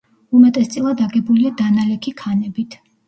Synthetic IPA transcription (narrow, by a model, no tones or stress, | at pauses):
umɛt̪ʼɛst̪sʼilˠad̪aɡɛbuliad̪analɛkʰikʰanɛbit̪ʰ